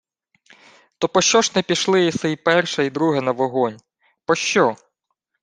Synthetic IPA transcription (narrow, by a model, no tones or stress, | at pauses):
t̪ɔpɔʃt͡ʃɔʒnɛpʲiʃlˠɪisɛipɛrʃɐid̪ɾuɦɛnɐʋɔɦɔnʲ | pɔʃt͡ʃɔ